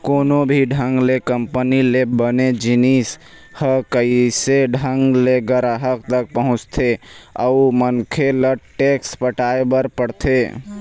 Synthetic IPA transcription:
konobʱiɖʱəŋɡlekəmpənilebəned͡ʒinis | həkəiseɖʱəŋɡleɡəɾaɦək̚t̪ək̚pəɦʊ̃t͡ʃt̪ʰeə̰umənkʰeləʈekspəʈaebəɾpəɽt̪ʰe

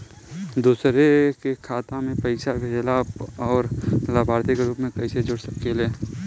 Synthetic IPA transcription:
d̪uːsɾekekʰaːt̪ãmẽpəɪʃabʱeːlaɔːɾlaːbʱaːɾt̪ɪkɾuːpmẽkɐised͡ʒʊɽsəkːeleː

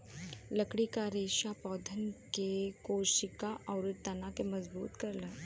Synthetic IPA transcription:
lɐkɽikaɾeːʃapɔːd̪ʱənkekoːʃɪkaʔɔːɾʊt̪ɐnakemɐzbṵːt̪kɐɾlaː

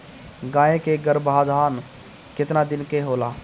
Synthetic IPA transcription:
ɡãːẽkeɡəɾbʱaːd̪ʱaːn | kɪt̪nad̪ɪnkeɦoːlaː

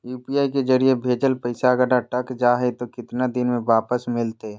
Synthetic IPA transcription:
juːpiaːiked͡ʒəɾiebʱeːd͡ʒəlpəɪsaəɡəɾaʈəkd͡ʒaːɦet̪okɪt̪nad̪ɪnmẽʋaːpəsmɪlt̪e

